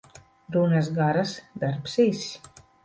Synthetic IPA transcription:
d̪unas̬ɡaɾasd̪aɾpsɛjsʲ

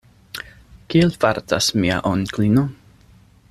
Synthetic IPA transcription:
kielfaɾtasmia̰ʔonklino

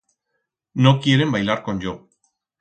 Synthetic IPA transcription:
nokieɾe̞mbajlaɾkond͡ʒo

